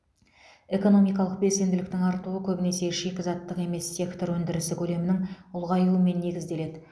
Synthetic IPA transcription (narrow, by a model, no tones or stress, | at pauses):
e̞ko̞no̞mijkɑlˠəq̚be̞lse̞nd̪ɪlɪkt̪ɪŋɑɾt̪uəkʲʰɵbɪne̞se̞ʃe̞kʲɪzɑt̪ːəqe̞me̞sːʲe̞kt̪o̞ɾwɵnd̪ɪɾɪsɪkʲʰɵle̞mɪnɪŋʊlˠʁɑjuəme̞nːe̞ɡʲɪzd̪e̞le̞d̪ɪ